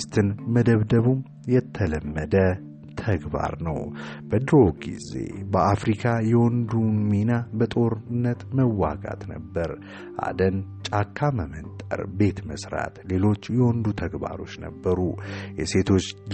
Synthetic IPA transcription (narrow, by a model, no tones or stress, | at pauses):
st̪ʰɨnməd̪əβd̪əβum | jɛt̪ʰːələmːəd̪ə | t̪ʰəɡba̰ɾnə̰wb̥əd̪ɾo̞ɡḭze̞̰bəafɾikʰajɛwɔnd̪unminabət̪ʼo̞ɾɨnːət̪məwaɡa̰t̪nə̰bːəɾ | ʔa̰d̪ənt͡ʃʼakʰːaməmənt̪ʼə̰ɾbe̞t̪məsɾa̰t̪le̞lo̞t͡ʃːjɛwɔnd̪ut̪ʰəɡba̰ɾo̞t͡ʃːnə̰bːəɾujɛse̞t̪ʰo̞t͡ʃː